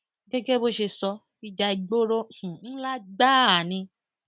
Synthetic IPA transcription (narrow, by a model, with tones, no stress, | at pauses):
ɡɛ˦ɡe˦bo˦ʃe˧sɔ˧ | i˧d͡ʒa˧i˧ɡ͡bo˦ɾõ˦˨ñ̩˦la˦ɡ͡ba˦˨nĩ˧